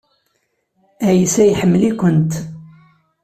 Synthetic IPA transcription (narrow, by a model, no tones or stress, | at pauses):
æjəsæjħəmːəlikʷənt̪